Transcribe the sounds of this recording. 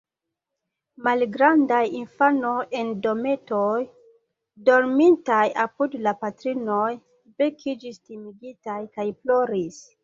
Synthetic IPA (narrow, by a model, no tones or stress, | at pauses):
malɡɾandajinfano̞je̞ndo̞me̞toj | do̞ɾmintajapudlapatɾino̞j | be̞kʰid͡ʒistimiɡitajkajplo̞ɾis